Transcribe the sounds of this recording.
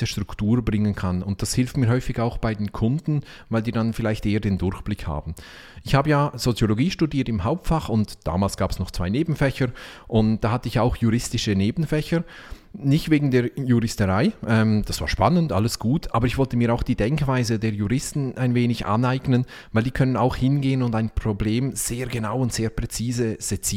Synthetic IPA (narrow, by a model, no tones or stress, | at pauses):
əʃtʁ̥ʊktuːɾbʁɪŋənkʰanʊnt̚d̥ashɪlftmiːhɔʏfɪçaʊxb̥aɪdeːnkʰʊndn̩ | vaɪldiːdanfɪlaɪçtʔeːədeːndʊɾçb̥lɪkha̰ːbn̩ | ʔɪçhaːbəjaːz̥ot͡sjoloɡiːʃtudiːɐtɪmɦaʊp̚tfaχʊntd̥a̰ːmaːlsɡ̥aːpɛsnɔχt͡sv̥aɪneːbn̩fɛçəɾʔʊntd̥aːhatəɪçaʊxjuɾɪstɪʃəneːbn̩fɛçə | nɪçtveːɡŋ̩deːɐjuʁɪstəʁaɪʔɛmd̥asv̥aːʃpanəntʔaləsɡ̥uːtʰʔaːbəɾɪçv̥ɔltəmiːɾaʊxd̥iːdɛŋkv̥aɪzədeːɐjuʁɪstn̩aɪnveːnɪçʔa̰naɪɡnən | vaɪldiːkʰœnənaʊxhɪnɡeːənʊndaɪnpʁ̥obleːmz̥eːɐɡənaʊʊntz̥eːɐpʁ̥ɛt͡siːzəz̥ɛt͡sː